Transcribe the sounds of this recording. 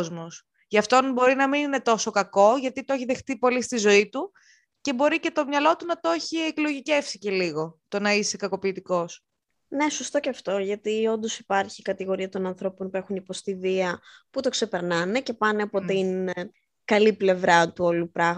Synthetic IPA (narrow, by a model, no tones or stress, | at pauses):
zmos | ʝɐft̪o̞nbo̞ɾinɐminine̞t̪o̞so̞kɐko̞ʝɐt̪it̪oeçiðe̞xt̪ipo̞list̪izo̞it̪u | ce̞bo̞ɾice̞t̪o̞mɲɐlo̞t̪unɐt̪o̞çieklo̞ʝice̞fsice̞liɣo̞t̪o̞nɐise̞kɐko̞piːt̪iko̞s | ne̞sust̪o̞ceɐft̪o̞ʝɐt̪io̞nd̪o̞si̥pɐɾçikɐt̪iɣo̞ɾiɐt̪o̞nɐnθɾo̞po̞npue̞xunipo̞st̪iviɐput̪o̞kse̞pe̞ɾnɐne̞ce̞pɐneɐpot̪in | kɐliple̞vɾɐt̪uo̞lupɾɐɣ